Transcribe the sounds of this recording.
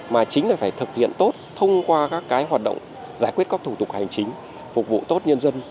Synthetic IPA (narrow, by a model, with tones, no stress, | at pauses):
maː˨˩t͡ɕï˨˦ŋ̟naː˨˧˩jfaː˧˩jt̪ʰɨ˨˩k̚hḭ˧˨ənt̪o˦˥t̚t̪ʰə˧wŋ͡mkwaː˧kaː˦˥kːaː˨˦jɦwaː˨˩t̚ɗə̰˧˨wŋ͡m | zaː˧˩jkwi˦˥ət̚kaː˦˥k̚t̪ʰu˧˩t̪ʊ˨˩k̚ha˨˩jŋ̟t͡ɕï˨˦ŋ̟ | fʊ˨˩k͡p̚vṵ˧˨t̪o˦˥t̚ɲə˧nzə˧n